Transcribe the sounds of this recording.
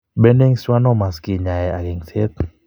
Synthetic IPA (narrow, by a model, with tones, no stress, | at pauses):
be˦nde˦ŋswa˦nɔ˦ma˨ski˨ɲa˨jɛ˨a˨ɡɪ˨ŋse˦t̪̚